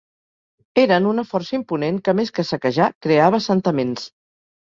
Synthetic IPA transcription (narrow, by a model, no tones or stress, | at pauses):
eɾənunəfɔrsəimpuneŋkəmeskəsəkəʒakɾeaβ̞əsənt̪əmens